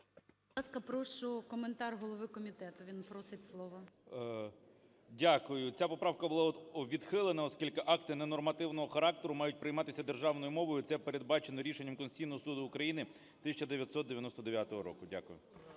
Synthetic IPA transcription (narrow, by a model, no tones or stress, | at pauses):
ɑskɐpɾɔʃʊkɔment̪ɑrɦɔlˠɔʋɪkɔmʲit̪ɛt̪ʊʋʲinpɾɔsɪtʲslˠɔʋɔ | dʲakʊjʊt͡sʲapɔpɾɑwkɐbʊlˠɑʋʲid̪xɪlˠenɐɔskʲilʲkɪʔɑkt̪ɪnɛnɔrmɐt̪ɪwnɔɦɔxɐɾɑkt̪eɾʊmɑjʊt̚ʲpɾɪjmɑt̪ɪsʲɐd̪erʒɑʋnɔjʊmɔʋɔjʊt̪sɛpeɾed̪̚bɑt͡ʃenɔɾʲiʃenʲːɐmkɔnsʲt͡sʲijnɔɦɔsud̪ʊːkɾɐjinɪ | t̪ɪsʲɐt͡ʃɐd̪eʋʲjɐt̪sɔt̪d̪eʋʲjɐnɔst̪ɔd̪eʋʲjat̪ɔɦɔɾɔ̰kʊdʲa̰kʊjʊ